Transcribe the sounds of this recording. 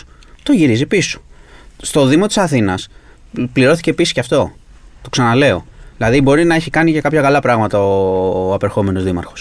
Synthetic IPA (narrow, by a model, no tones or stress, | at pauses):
t̪o̞ʝiɾizipiso̥st̪o̞ðimo̞t̪i̥sɐθinɐs | pliɾo̞θi̥ce̞pisi̥ceɐft̪o̞ | t̪o̞ksɐnɐle̞o̞̰ðilɐðibo̞ɾinɐe̞çikɐnice̞kɐpçɐkɐlɐpɾɐɣmɐt̪ɐoɐpeɾxo̞me̞no̞zðimɐ̰ɾxo̞̥s